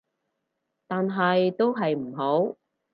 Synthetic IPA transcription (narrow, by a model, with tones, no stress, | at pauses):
t̪aː˨nɦɐ˨jt̪o˥wɦɐ˨jm̩˨˩ɦo˨˥w